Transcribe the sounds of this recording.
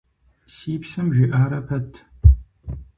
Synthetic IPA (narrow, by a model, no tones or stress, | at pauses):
siːpsɨmʒʷɪʔaːɾɐpʰɐtʰ